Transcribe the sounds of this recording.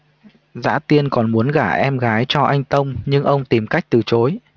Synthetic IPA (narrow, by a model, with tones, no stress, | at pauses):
za̰ː˧˥t̪i˧ənkɔ˨˩nmu˨˦ənɣaː˧˩ʔɛ˧mɣaː˨˦jt͡ɕɔ˧ʔa˧jŋ̟t̪ə˧wŋ͡mɲɨ˧ŋʔə˧wŋ͡mt̪i˨˩mka˦˥jk̟̚t̪ɨ˨˩t͡ɕo˨˦j